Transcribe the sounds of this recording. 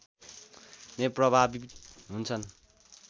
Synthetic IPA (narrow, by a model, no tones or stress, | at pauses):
meprʌbʱabiɦunt͡sʰʌn